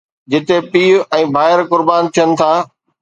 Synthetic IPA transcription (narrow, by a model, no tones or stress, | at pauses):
d͡ʑɪt̪epiːɛ̃ːbʱaːɪɾkʊɾbaːn̆t̪ʰijənɪ̆t̪ʰaː